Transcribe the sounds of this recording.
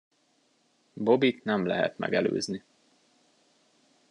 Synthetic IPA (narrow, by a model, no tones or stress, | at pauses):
bobit̪nɛmlɛɦɛ̰t̪mɛ̰ɡɛlø̰ːzni